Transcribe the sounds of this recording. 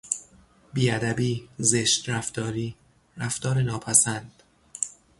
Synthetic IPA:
biːæd̪æbiːzeʃt̪ɾæft̪ɒːɾiː | ɾæft̪ɒːɾenɒːpʰæsænd̪̥

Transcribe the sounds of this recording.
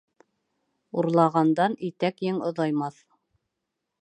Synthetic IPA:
uɾlˠɑʁɑnd̪ɑnit̪ækjɘŋŏðɑjmɑθ

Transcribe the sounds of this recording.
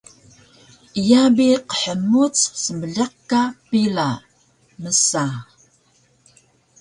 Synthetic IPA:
ijabiqə̥ħəmut͡ssəməɮɑqkkːapila | məsa

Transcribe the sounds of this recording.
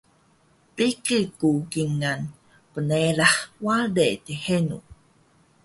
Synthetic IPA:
pikikukiŋan | pənelaħwaɖet̪ihenṵ

